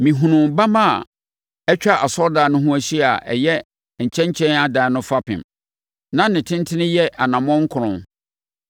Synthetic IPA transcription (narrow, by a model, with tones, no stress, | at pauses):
mĩ˨ɦũ˨nʊ̃˨mba˦mã˦˨ | ɛ˦t͡ɕᶣa˦˨ʔa˨sɔ˦ldaː˨˦nʊ̃˦ɦʊ̃˦æ˦ɕi˦˨a˨ʔɛ̰˨jɛ˦˨ | ɲ̩˨t͡ɕʰɛ̃˦ɲ˦t͡ɕʰɛ̃˦na˦daː˨˦nʊ̃˦fa˦pʰɪ̰̃˨m | nã˦nɪ̃˨tʰɪ̃˦n˦tʰɪ̃˦nɪ̃˦jɛ˦ʔa˨nã˨mɔ̃˦ŋ̩˦kʰʊ˨ɾʊ̃˦n